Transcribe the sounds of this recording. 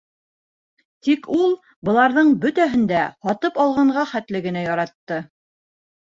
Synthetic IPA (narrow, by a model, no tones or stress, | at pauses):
t̪ikulˠ | bɤ̆lˠɑɾðɤɴbɵt̪æɦɘ̆nd̪æhɒt̪ɤpɑlˠʁɑɴʁɑχæt̪lɘ̆ɡɘ̆næjɑɾɑt̪ːɤ